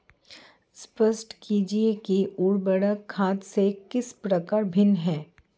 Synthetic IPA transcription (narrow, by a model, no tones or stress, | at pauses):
spəsʈkiːd͡ʒiekiuːɾbəɽəkʰːaːt̪sekɪspɾəkaːɾbʱɪnɦɛː